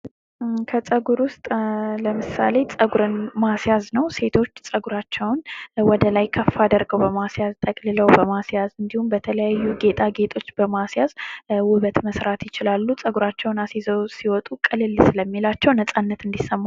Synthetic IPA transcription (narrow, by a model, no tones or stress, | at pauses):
kʰət͡sʼəɡuɾwʊst̪ʼləmɨsa̰le̞t͡sʼəɡuɾɨnmasjaznəwse̞t̪ʰo̞t͡ʃːsʼəɡuɾat͡ʃːɛwnwɔd̪əlajkʰəfːad̪əɾɡəwbəmasjazt̪ʼəkʼlɨləwbəmasjazɨnd̪ihumbət̪ʰələjajːuɡe̞t̪ʰʼaɡe̞t̪ʼʰo̞t͡ʃːbəmasjazwʊβət̪məsɾat̪jɪt͡ʃɪlalːut͡sʼəɡuɾat͡ʃːɛwnasezəwsiwɔt̪ʼukʼɨlɨlːsɨləmːilat͡ʃːɛwnət͡sʼanːət̪ɨnd̪isːəmːa